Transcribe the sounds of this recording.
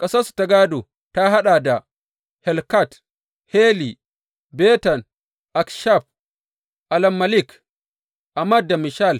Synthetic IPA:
kʼɐ˦sa˦su̥˨ta˨ɡa˦do˨ | ta˦ɦa˦ɗa˨da˨ | hɛ˨lka˦˨t | he˦li˨ | bɛ˦ta˨n | ʔa˨kʃa˦˨p̚ | ʔa˨la˨mːa˨li˦k | ʔa˨mːa˦da˨mi˨ʃa˦l

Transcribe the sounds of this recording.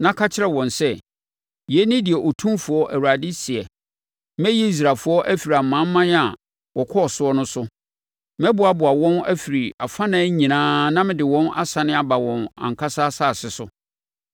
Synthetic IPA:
nã˦kʰa˦t͡ɕʰɪ˦ɾɛ˨wɔ̃˨nsɛ˦ | jɛ˦nɪ̃˦dɪ˨ɛ˨ʔɔ˨tʰũ˦mfʊ˨ɔ˦ʔæ˨wu˨ɾa˨dɪ˦sɪ˨ɛ˨ | mɛ̃˦ji˦i˦s̬ɾaː˨fʊ˦ɔ˦ʔæ˦fi˨ɾi˨a˨mã˦m˦mã˦na˨ | wɔ˨kʰɔ˦˨sʊ˦ɔ˦nʊ̃˦sʊ˦ | mɛ̃˦bʊ˨a˨bʊ˨a˨wɔ̃˦næ˦fi˨ɾi˨a˨fã˦nãː˨˦ɲĩ˨nãː˦nã˦mɪ̃˨dɪ˨wɔ̃˦na̰˦sa˨nɪ̃˦a˨ba˨wɔ̃˨nã̰˨ŋ̩˨kʰa˦saː˦saː˦˨sɪ˨sʊ˦

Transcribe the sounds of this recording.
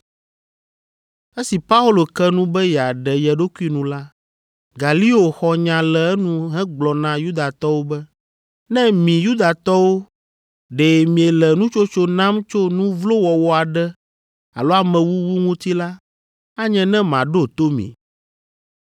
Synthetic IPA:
e˦si˨pa˦u˦lo˨kɛ˦nũ˦bɛ˦jɛ˨a˨ɖɛ˨jɛ˨ɖo˦ku˦i˦nũ˨la˦ | ɡa˨li˦o˨xɔ˨ɲã˨lɛ˨ɛ˦nũ˦ɦɛ̃˦ɡ͡blɔ˨nã˦ju˦d̪a˨t̪ɔ˦wo˦bɛ˦ | nɛ̃˦mĩ˨ju˦d̪a˨t̪ɔ˦wo˦ | ɖeː˨mĩ˨e˨lɛ˨nũ˦t͡ʃo˦t͡ʃo˦nã˦mt͡ʃo˦nũ˦vlo˦wɔ˨wɔ˦a˨ɖɛ˦ | a̰˨lo˦a˨mɛ̃˨wu˦wu˦ŋũ˦t̪i˦la˦ | a˦ɲɛ̃˦nɛ̃˦mã˨ɖo˦t̪o˦mḭ̃˨

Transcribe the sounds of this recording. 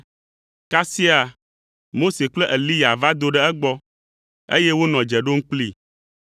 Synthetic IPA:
ka˦si˦a˨ | mo˦se˨k͡plɛ˦ʔe˨li˦ja˨va˦d̪o˦ɖɛ˦ɛ˦ɡ͡bɔ˦ | ḛ˦jɛ˦wo˦nɔ̃˨d͡ʒɛ˨ɖo˦ŋ̩˦k͡pli˦

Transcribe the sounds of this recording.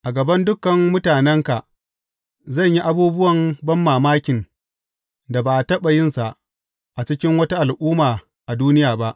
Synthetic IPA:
ʔa˨ɡɐ˨bɐ˦ndʊ˦kːɐ˨mːʊ˦taː˨nɛ˦ŋka˨ʔ | zɐ˦˨ɲji˦ʔa˦buː˦bʊ˦wɐ˨mbɐ˦mːaː˨maː˦kʲɪ˨n | da˨baː˨tɐ˦ɓa˨jɪ˦nsa˨ʔ | ʔa˨t͡ʃɪ˦kʲɪ˦ŋwɐ˦ta˦ʔa˨lʔuː˦maː˨ | ʔa˨duː˦nɪ˦jaː˨ba˦ʔ

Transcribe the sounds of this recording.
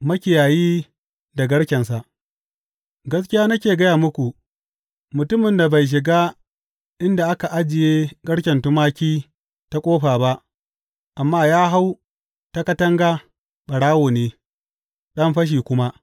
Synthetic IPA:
mɐ˦kʲɪ˨jaː˨jiː˦ | da˨ɡɐ˦ɽkʲɛ˨nsa˨ʔ | ɡɐ˦skʲɪ˦jaː˦nɐ˦kʲeː˨ɡɐ˦jaː˨mʊ˦kʷu˨ | mʊ˨tʊ˦mɪ˨nda˨ba˨jʃ̬ɪ˨ɡaː˦ | ʔɪ˦nda˨ʔa˦ka˨ʔa˦d͡ʒɪ˨jeː˦ɡɐ˦ɽkʲɛ˨ntʊ˦maː˦kʲiː˦ | ta˦kʷʼoː˦ɸaː˨ba˦ʔ | ʔa˨mːaː˦jaː˦ɦa˦w | ta˦kɐ˦tɐ˦ŋɡaː˦ | ɓɐ˨ɽaː˦woː˨neː˦ | ɗɐ˦mɸɐ˦ʃ̬iː˨kʷʊ˦ma˦ʔ

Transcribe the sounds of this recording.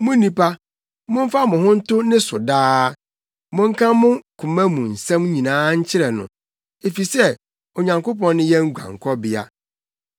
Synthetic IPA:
mʊ̃˦nĩ˦pa˦ | mʊ̃˦ɱ̩˦fa˦mʊ̃˨ɦʊ̃˦n̩˦tʊ˦nɪ̃˦sʊ˨daː˦ | mʊ̃˦ŋ̩˦kʰã˦mʊ̃˦kʰʊ̃˨mɛ̃˦mũ˨n̩˨sɛ̃˦m˦ɲĩ˨nãː˦ɲ̩˦t͡ɕʰɪ˦ɾɛ˨nʊ̰̃˨ | e˨fi˨sɛ˦ | o˨ɲã˨ŋko˦pɔ̃˦nːʊ̃˦jɛ˦ŋ̩˦ɡʷã̰˨ŋ˨kʰɔ˦bɪ˨a̰˦

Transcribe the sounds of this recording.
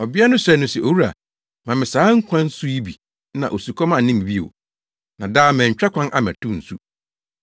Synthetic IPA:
ɔ˨bɪ˦a˦nʊ̃˦sɛ˦nʊ̃˦sɛ˨ʔo˨wu˦ɾa̰˨ | mã˨mɪ̃˨saː˨˦ŋ̩˦kʷʰã˦n˦su˦i˦bi˨˦ | nã̰˨ʔo˨su˨kʰɔ˦mã˦˨nɪ̃˦m˨bi˦ḛ˨ | nã˨daː˦mɛ̃˨ɲ̩˨t͡ɕᶣɾa˦kʷʰã˦nʔa̰˦mɛ̰̃˨tʰʊ̃˦n̩˨su˦

